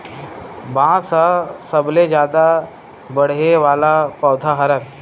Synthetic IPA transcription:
bãsasəbled͡ʑjad̪a | bəɽ̤eʋalapəwt̪ʰaɦəɾa

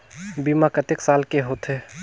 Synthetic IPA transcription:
bimakət̪eksaːlkeɦoːt̪ʰɦeː

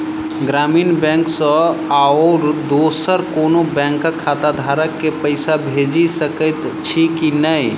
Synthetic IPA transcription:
ɡɾaminbɛ̃ŋksə̃aɾd̪osəɾkonobɛ̃ŋkːəkʰːat̪ad̪ʱaɾəkːepəɪsabʱed͡ʒisəkəjt̪t͡ʃʰikinəj

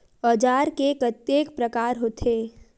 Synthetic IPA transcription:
ɔːd͡ʒaːɾkekət̪jeːkpɾəkaːɾɦot̪ʰeː

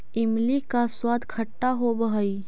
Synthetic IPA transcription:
ɪmlikaswaːd̪kʰɐʈːaɦobəɦəiː

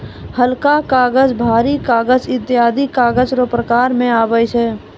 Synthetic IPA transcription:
həlkakaːɡəd͡ʒbʱaːɾikaːɡəd͡ʒɪt̪ːjaːd̪ʱikaːɡəd͡ʒɾopɾəkaːɾmẽaːbət͡ʃʰɛː

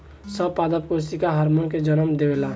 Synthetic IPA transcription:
səbpad̪əp̚kosikaɦəɾmonked͡ʒənəmd̪ebela

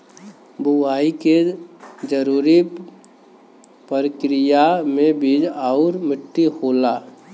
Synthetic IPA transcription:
bʱʊwaːiked͡ʒəɾuːɾi | pəɾəkɾɪjamẽbʱid͡ʒaʊɾmɪʈːihoːla

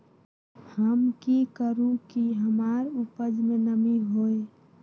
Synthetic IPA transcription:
həmkikəɾũkiɦəmaːɾupəd͡ʒmẽnəmiɦoːe

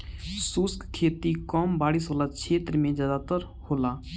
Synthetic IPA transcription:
suskkʰeːt̪ikɔːmbaːɽiːsɦoːlakt͡ʃʰeːt̪ɾəmẽd͡ʒjaːd̪aːt̪əɾ | hoːlaː

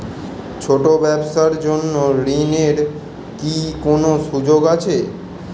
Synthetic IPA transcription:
t͡ʃʰoʈobɛbsaɾd͡ʒonːoɾineɾ | kikonosud͡ʒoɡat͡ʃʰe

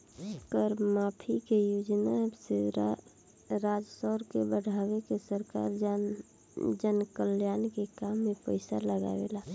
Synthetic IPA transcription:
kəɾmaːpʰikejud͡ʒnase | ɾad͡ʒsɔɾkebəɽʱawekesəɾka̰ɾ | d͡ʒənkəljaːnkekamːepəɪsa̰ləɡa̰ʋḛla

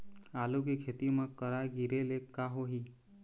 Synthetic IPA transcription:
alukekʰet̪imə̃kəɾaɡiɾelekːaɦoɦi

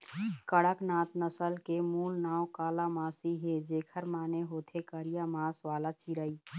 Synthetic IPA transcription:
kəɽəknaːt̪nəsəlkemuːlnaːwkaːlamaːsiɦed͡ʒeːkʰəɾmaːneɦoːt̪ʰekəɾijamaːsʋaːlat͡ʃiɾəiː

